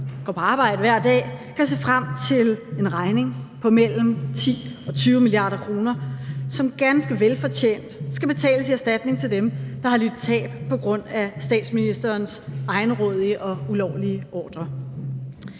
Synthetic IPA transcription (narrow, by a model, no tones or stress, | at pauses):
ɡ̥ɒpʰɒ̽ɑ̈ːb̥ɑ̈ɪ̰dəʋæɐ̰d̥ɛ̰ːkʰæse̝̰ːfʁam̰t͡sʰe̝le̝nʁɑ̈ɪne̝ŋpʰɒ̽mel̰m̩t͡sʰḭːɒ̽t͡sʰyːʊəmiliɑ̰̈ːɾ̥ɐkʰʁo̝ːnɐsɒ̽mɡ̥ænsɡ̥əʋelfɒ̽t͡ɕʰḛːn̰d̥sɡ̥æb̥e̝t͡sʰɛ̰ːləsiæsd̥æd̥ne̝ŋt͡sʰe̝ld̥emd̥ɑ̈hɑ̈lid̥t͡sʰɛ̰ːb̥pʰɒ̽ɡ̥ʁɔ̽n̰æsd̥ɛ̰ːd̥sminisd̥ɐːnsʔɑ̈ɪnəʁɔ̽ːð̞ˠiəʔɒ̽ulɒʊ̰liəʔɒ̰ːd̥ʁɐ